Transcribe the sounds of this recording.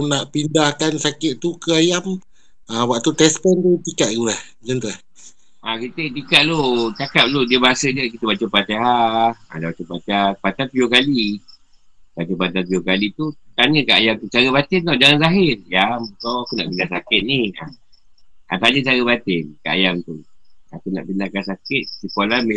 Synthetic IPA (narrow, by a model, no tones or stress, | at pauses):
naʔpindahkansakɪt̪̚t̪ukəajam | awaʔt̪ut̪ɛspənd̪ut̪ikaʔ̪̚k̪ulah | d͡ʒənt̪ulah | ʔakit̪ət̪ikaʔ̪̚lot͡ʃakap̚lodiəbaɦasəd͡ʒəkit̪əbat͡ʃəpat̪eɦaa̰dabat͡ʃəpat̪eapat̪anpiokali | bat͡ʃəpat̪ap̬iokalit̪ut̪aɲəkaʔajaŋt̪ut͡ʃaɾəbat̪ɪnt̪ɔd͡ʒaŋanzaɦɪrjambəkawakuna̰ʔbinasakɪt̪̚nia | a̰t̪aɲə̃t͡ʃaɾəbat̪ɪnka̰ʔa̰jaŋt̪uakuna̰ʔbinakansakɪt̪̚sikolame